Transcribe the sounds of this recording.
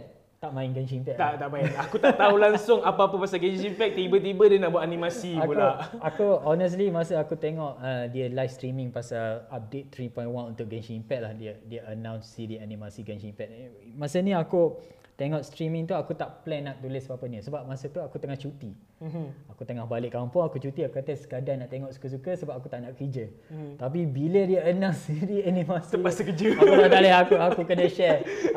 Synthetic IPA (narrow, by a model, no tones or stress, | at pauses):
t̪aʔmãɪnɡɛnt͡ʃimpɛkt̪at̪aʔmãɪnakut̪aʔt̪aulaŋsʊŋapaapəpasaɡənimpɛk̚t̪ibət̪̬ibədiənaʔbuat̪animasiakpullaakuɔnəs̬limasəakut̪eŋɔʔədiəlajfst̪ɾimɪ̃ŋpasaap̚det̪̚t̪ɾipɔ̃jnwanũnt̪ʊʔ̚ɡɛnt͡ʃiːmpɛk̚lahdiədiəənãwnsidianimasiɡant͡ʃimpɛʔ̚ | masəniaku | t̪eŋɔʔst̪ɾimĩŋt̪uakut̪aʔplɛnaʔ̚dulesbapənisəbap̚masət̪uakut̪əŋaht͡ʃut̪i | akut̪əŋahbalɪʔkːampʊŋakut͡ʃut̪iakukat̪əskadanaʔt̪eŋɔʔsu̥kəs̬ukəsəbap̚ak̬ut̪aʔnaʔkəd͡ʒə | t̪ap̬ibilədiəənãsiɾianĩmasiasəkəd͡ʒəakutat̪alaɦakuakukənəʃɛ